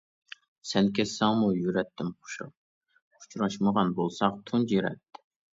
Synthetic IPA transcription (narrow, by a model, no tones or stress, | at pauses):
sɛnkʲʰɛsːɛŋmujyɾɛt̪ʰːɪmqʰo̥ʃṵ | u̥t͡ʃʰuɾɑʃməʁɑnbolˠsɑqt̪ʰund͡ʒiɾɛ̰t̪ːɪ̥